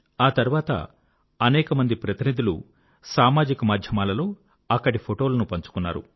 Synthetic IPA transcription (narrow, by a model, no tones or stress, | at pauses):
aːt̪ɐɾuʋaːt̪ɐ̰ | ɐnɛːkɐmɐnd̪ipɾɐt̪inid̪ulu | saːmaːd͡ʒikɐmaːd̪ʱjɐmaːlɐlo̞ː | ɐkːɐɽipʰoʈo̞ːlɐnupɐɲt͡ʃu̥kunːa̰ːɾṵ